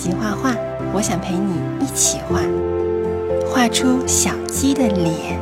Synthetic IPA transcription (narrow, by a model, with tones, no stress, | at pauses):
i˧˥xwa˥˧xwa˥˩ | wɔ˧˥ɕjɑ˨˩ŋpʰe˧˥ɪni˨˩i˥˩t͡ɕʰi˨˩xwa˥˩ | xwa˥˩ʈ͡ʂʰu˥ɕjɑ˨˩ʊt͡ɕi˥d̪ə˨ljɛ˧˥n